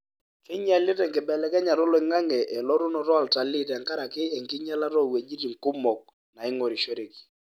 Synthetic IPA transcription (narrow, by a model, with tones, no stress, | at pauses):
kɪ˦ɲa˦lɛ˦tɛ˨ŋkɪ˨bɛ˨lɛ˨˦kɛ˦ɲa˨ɾɔ˦lɔ˨ɪ˨ŋa˦ŋɛ˨ʔɛ˨lɔ˦ɾu˦nɔ˨ɾɔ˦a˨lta˨lɪ˦tɛ˨ŋka˦ɾa˨kɪ˦ɛ˨ŋkɪ˦ɲa˦la˦ɾɔ˦˨we˨d͡ʒi˦ɾi˨ŋ˨kʊ˦mɔ˨k̚ | na˨ɪ˦ŋɔ˨ɾi˨ʃe˦ɾe˨ki̥˨